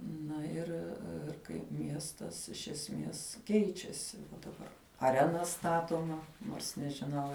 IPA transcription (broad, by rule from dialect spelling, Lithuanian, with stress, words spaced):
ˈnɐ ɪr ɪr kɐɪp ˈmʲiɛstɐs ɪʃ ɛsʲˈmʲeːs ˈkʲɛɪt͡ʃʲɛsʲɪ dɐˈbɐr ɐˈrʲæːnɐ ˈstɑːtoːmɐ noːrs nʲɛʒʲɪˈnɐʊ